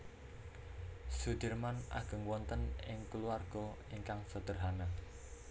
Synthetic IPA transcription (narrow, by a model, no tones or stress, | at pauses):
sud̪̥ərmanʔa̰ɡ̥ə̤ŋwɔnt̪ənɪŋkəluarɡ̥ɔiŋkaŋsəd̪̥ə̤rɦana